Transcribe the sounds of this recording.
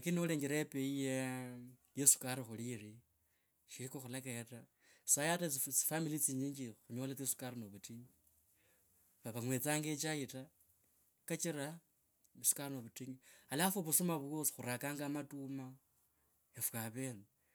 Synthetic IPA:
akiniuleːŋɡeɾaepeije | jesu̥kaɾixuliɾi | ʃiɾikoxulakajeta | sajatt͡si̥familit͡siɲiːɲd͡ʒixuɲolat͡sesu̥kaɾinoβutiɲi | βaβaŋwet͡saːŋɡet͡ʃaita | kat͡ʃiɾa | isu̥karinoβutiɲialiafuβusumaβosi̥xuɾakaːŋɡamatuma | efukaβe̞ne

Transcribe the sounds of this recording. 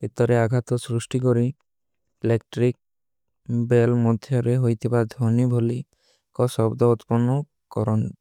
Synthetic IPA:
bit̪ɔɾeaɡʱat̪ɔsɾusʈik̬ɔɾi | elekʈɾik̚ | belmɔd̪ʱjɔɾeɦojt̪ʰibad̪ʱonibʱoli | kɔsɔbd̪ɔut̪pɔnɔ | kɔɾɔn

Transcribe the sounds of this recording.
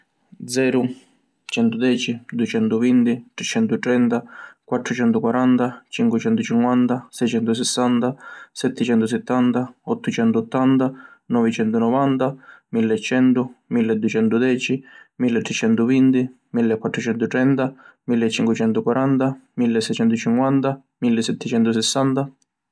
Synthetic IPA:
d̪zɛːɾʊ | t͡ʃɛnt̪ʊd̪ɛːt͡ʃid̪uɛt͡ʃɛnt̪ʊvint̪it̪ɾɛt͡ʃːɛnt̪ut̪ɾɛnt̪akwat̪ːɾʊt͡ʃɛnt̪ʊkwaɾant̪at͡ʃiŋkwɪt͡ʃɛnt̪ʊt͡ʃiŋkwant̪asɛjt͡ʃɛnt̪ʊs̬ɛsːant̪asɛt̪ːɛt͡ʃɛnt̪ʊs̬ɛt̪ːant̪aɔt̪ːʊt͡ʃɛnt̪uɔt̪ːant̪anɔvit͡ʃɛnt̪ʊnɔvant̪amilːɛt͡ʃːɛnt̪ʊmilːɛd̪ːuɛt͡ʃɛnt̪ʊd̪ɛːt͡ʃimilːɛt̪ːɾɛt͡ʃɛnt̪ʊvint̪i | milːɛkːwat̪ːɾʊt͡ʃɛnt̪ʊt̪ɾɛnt̪amilːɛt͡ʃːiŋkwɪt͡ʃɛnt̪ʊkwaɾant̪amilːɛsɛjt͡ʃɛnt̪ʊt͡ʃiŋkwant̪a | milːɛsɛt̪ːɛt͡ʃɛnt̪ʊsɛsːant̪a

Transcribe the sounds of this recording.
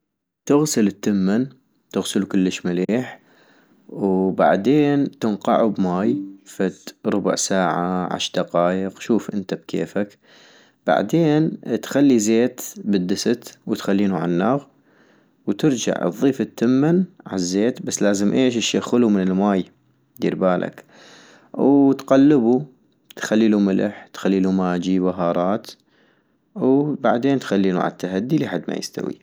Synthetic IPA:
t̪ɪɣsɪlɪt̪ːɪmːan | t̪ɪɣsɪlukʊlːəʃmaliːħ | wba̰ʕd̪eːnt̪ɪnqɑ̰ʕubmaːjfat̪ɾˤʊbʊ̰ʕsaːʕaʕa̰ʃd̪ɑqɑːjɪqʃuːfʔɪnt̪ab̚kʰḛːfak | b̥a̰ʕd̪eːnt̪xalːizeːt̪bɪd̪ːɪsɪt̪wɪt̪xalːiːnuʕa̰nːaːɣ | wt̪ɪɾd͡ʒa̰ʕɨ̰ðˤːiːfɪt̪ʰːɪmːɪnʕa̰zːeːt̪basːlaːzɪmʔeːʃɪʃjaxʊlumɪnɪlmaːj | d̪ḭɾbaːlʔa̰k | wt̪qalːɪbu | t̪xalːiːlumɪlʔɪ̰ħt̪xalːiːlumaːd͡ʒibaɦɑːɾˤɑːt̪ | wbaʕd̪eːnt̪xalːiːnṵʕa̰t̪ːaɦad̪ːiliħad̪ːma̰jɪ̰st̪a̰wḭ

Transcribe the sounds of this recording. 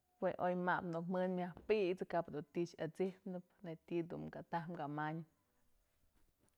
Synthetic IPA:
weʔojmapnuk̚mɨnmʲjahpiʔt͡sɨkapd̪unt̪iʔt͡ʃat͡sihpnɨp̚net̪id̪ṵmkat̪ahmɡamaɲɨp

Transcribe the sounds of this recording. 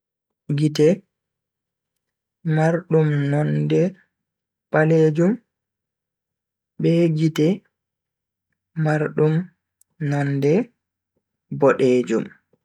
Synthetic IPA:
ɡitɛ | maɾɗumnɔndɛ | paleːd͡ʒum | ɓɛɡitɛ | maɾɗum | nɔndɛ | bɔɗeːd͡ʒṵm

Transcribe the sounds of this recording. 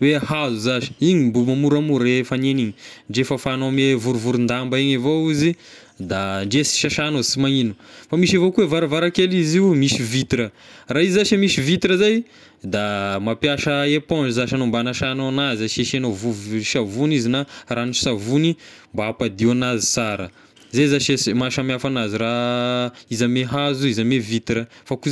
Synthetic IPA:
wehazuzaʃi̥iɲimbumamuɾamuɾefaneniɲiɳɖ͡ʐefəfanomevuɾuvuɾund̪ambaiɲevowizi | d̪aɳɖ͡ʐesi̥ʃaʃanosimainu̥famiʃivokuwevaɾavaɾakeliziumisivit̪ɾəraizaʃamisivit̪iɾəzaj | d̪amapjaʃəepõɳd͡ʒizaʃanombanaʃanoanazəʃeʃenovuvʃavunizinaranisavuni | mbaapad̪ianazi̥t͡saɾə | zezaʃesmaʃamafanaziɾa | izameɦazuizamevit̪ɾəfaku

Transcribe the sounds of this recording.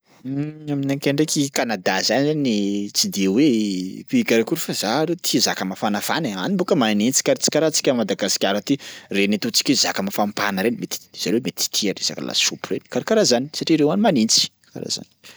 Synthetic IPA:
aminaŋkʲeɳɖ͡ʐekikanad̪azanizaniit͡sid̪ewepikʲaɾakuɾufazaɾet̪ʰizakəmafanafaneanimbokəmanint͡si̥kaɾt͡si̥kʲaɾat͡si̥kʲəmad̪aɡasi̥kʲaɾat̪irenit̪ut͡si̥kʲezakəmafampanəɾenimet̪i̥z̥anwemet̪i̥t̪ʰiaɾesa̰kə̰la̰supureni̥kaɾikaɾazani̥saʈ͡ʂiɾewanimanint͡si̥ | ka̰ɾa̰za̰ni̥

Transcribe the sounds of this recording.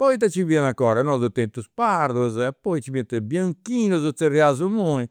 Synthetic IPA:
pɔjt̪̬at͡ʃivianakːɔːɾanɔd̪ut̪ent̪uspaɾd̪uzɛpɔjt͡ʃivent̪ɛbjaŋkiːnuzɔt̪sɛriazumoi

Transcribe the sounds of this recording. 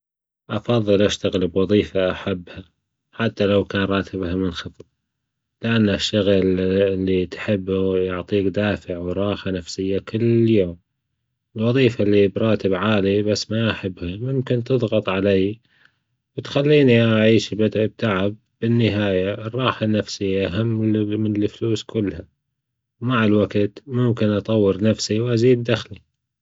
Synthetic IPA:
ʔɑfɑðˤːɨlʔaʃt̪aɣɪlbwɑðˤiːfaʔaħabːha | ħat̪ːalawkaːnɾˤɑːt̪ʰɪbɦamənxɑt̪ˤb̚ | lɪʔanːaʃːaɣlɪlːit̪ħɪbːujʊʕt̪ˤiːkd̪aːfɪʕwɾˤɑːxanafsɪjːakʰʊlːjoːm | ɪlwɑðˤiːfalːibɾˤɑːt̪ɪbʕaːlibasːmaʔaħɪbːhamʊmkɪnt̪ɨðˤɣɑt̪ˤʕalajː | wt̪xalːiːniʔaʕiːʃbɪd̪b̚t̪ʰaʕɪb̚ːɪnːɪɦaːjaʔɪrˤːɑːħanːafsɪjːaʔaɦamːmɪnɪlfluːskʰʊlːha | wmaʕɪlwaɡt̪mʊmkɪnʔɑt̪ˤɑwːəɾnafsiwʔaziːd̪ːaxli

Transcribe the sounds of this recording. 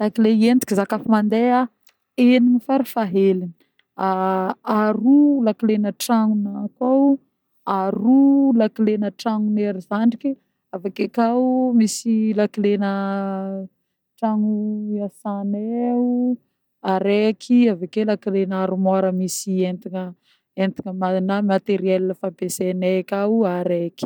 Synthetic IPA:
lakileient̪i̥kizakafimand̪ea | eninifaɾifaɦelin | aaɾulakilenəʈ͡ʂaŋunakaw | aɾulakilenəʈ͡ʂaŋuneɾizaɳɖ͡ʐiki | avekekawmisilakilenə | ʈ͡ʂaŋuasaneu | aɾekʰiavakelakilenaɾumaɾəmisient̪iŋə | ent̪iŋəmanamat̪eɾiɛlləfabesenekʲawuaɾeki̥

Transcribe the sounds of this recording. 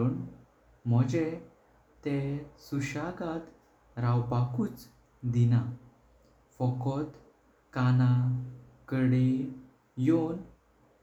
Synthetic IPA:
əɳ | m̤ɔd͡ʑe | t̪esuɕaɡat̪ | ɾawpakuːt͡s | d̪ina | fɔkɔt̪ | kana | kəɽe | jon

